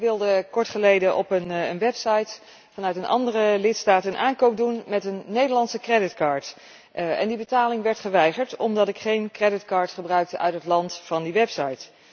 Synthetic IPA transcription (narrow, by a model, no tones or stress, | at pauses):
ʋɪlˠdəkɔɹtχəlejdəʔɔpənənʋɛpsɑjt | fɑnœɥtənʔɑ̰ndərəlɪtstaːtəənʔaːŋkowp̚dunmɛtənːejdəɹlɑnsəkrɛdɪtkɑːɹt | ɛ̰ndibətaːlɪŋʋɛɹtχəʋɛjχəɹtɔmdɑtɪkχejnkrɛdɪtkɑːɹtχəbrœɥk̚təʔœɥtɦətlɑntfɑndiʋɛpsɑjt